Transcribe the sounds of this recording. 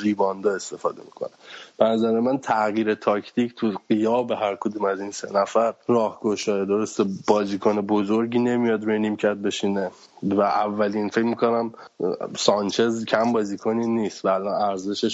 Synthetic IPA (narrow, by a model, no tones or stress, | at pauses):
viːbɒːnd̪ɒe̞st̪e̞fɒːd̪e̞̰mikʰo̞̰neb̥enæzæɾemænt̪ʰæɣiːɾet̪ʰɒːcʰt̪ʰicʰt̪ʰuɢijɒːbe̞ɦæɾkʰod̪umæzinse̞̰næfæɾrɒːhɡoʃɒːed̪o̞ɾost̪eb̥ɒːziːkʰonebozoɾɟiːne̞mijɒd̪ɾeniːmcʰæɾd̪̚be̞ʃiːne | væʔævːæliːnfe̞cmikʰo̞næm | sɒnt͡ʃʰezkcʰæmbɒːzikʰoniniːst̪væːlɒːnæɾze̞ʃeʃ